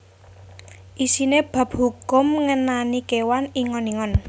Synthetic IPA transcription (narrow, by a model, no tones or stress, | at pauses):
ʔisineb̥a̤p̚hukʊmŋənanikewaniŋɔniŋɔn